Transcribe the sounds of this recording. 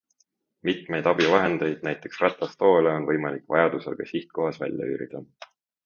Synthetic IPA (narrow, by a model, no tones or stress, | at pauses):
mit̪me̞jd̪ɑb̥ivɑɦe̞nd̪̥e̞jd̪̥næjt̪ːˑe̞ksrɑt̪ːˑɑst̪o̞ːleo̞nvɤjmɑlikːˑvɑ̰jɑd̪usḛlɡ̥ɑsiht̪̚ko̞ɦɑsvæ̰lʲjɑ̰y̰ːɾid̪̥ɑ